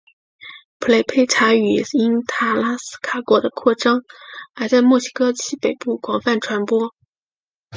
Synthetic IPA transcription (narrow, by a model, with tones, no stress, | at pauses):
pʰu˧˥le˥˩ɪpʰe˥˩ɪʈ͡ʂʰa˧˥y˨˩i˥nt̪ʰa˥˩la˥sɹ̩̥˥kʰa˨˩kwɔ˧˥d̪ə˧kʰwɔ˥˩ʈ͡ʂɤ˥ŋa˧˥ɪt͡sa˥˧ɪmwɔ˥˩ɕi˥kʰɤ˥t͡ɕʰi˥pe˨˩ɪpu˥˩kwɑ˨˥˩ŋfa˥˩nʈ͡ʂʰwa˧˥npwɔ˥